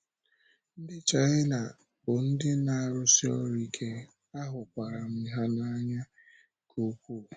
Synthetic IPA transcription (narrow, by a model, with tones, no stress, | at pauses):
n̩˦dɪ˦t͡ʃa˨ɣɪ˦na˨ | bʊ˨n̩˦dɪ˦na˨ɾʊ˦si˦ɔ̰˦ɾi˦kʰe˦ | a˦ɦʊ˨kʷa˨ɾa˨m̩˦ɦa˦na˦ɲa˦ | kʰo˦kʷu˦˨